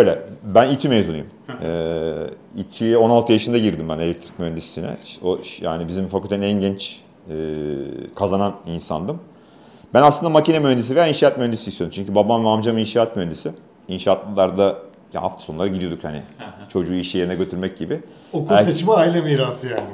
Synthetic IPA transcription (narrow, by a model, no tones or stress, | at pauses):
ʃø̞jlʲɛbænit͡ʃ̪ʰymezunujumɛ | it͡ʃʰio̞nalˠt̪ʰɯjaʃɯnd̪aɟiɾd̪imbænelʲɛc̚t̪ʰɾi̥c̚mønd̪esinɛ̰oja̰ːnibizimfakʰylʲt̪ʰeninɛnɟɛnt͡ʃː | kʰazananinsa̰nd̪ɯm | bænaslˠɯnd̪amacinɛmønd̪es̬ivejainʃaːat̪mønd̪esiːsjod̪umt͡ʃʰyɲcybabamvamd͡ʒamɯinʃaːat̪mønd̪esi | inʃaːt̪lˠɯlˠaɾd̪a | ha̰ft̪ʰḁso̞nulˠaɾaɟid̪io̞d̪ukchanɪ̰t͡ʃʰo̞d͡ʒuːiʃjeɾinɛɟø̞t̪ʰyɾmɛc̚ɟibɪ | okæet͡ʃmaːilʲamiːɾaːsɯjaːnɪ